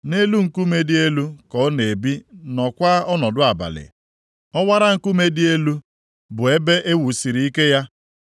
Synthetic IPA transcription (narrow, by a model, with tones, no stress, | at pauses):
ne˦lu˦ŋ̩˨ku˦me˦dɪ˦e˦lu˦kɔ˨˦ne˨bi˦nɔ˨kʷa˦ɔ˦nɔ˨dʊ˦a˨ba̰˨lɪ̰˨ | ɔ˦wa˦ɾa˦ŋ̩˦ku˦me˦dɪ˦e˦lu˦ | bʊ˨e˦be˦ʔe˦wu˨si˨ɾi˨˦i˦ke˦ja˦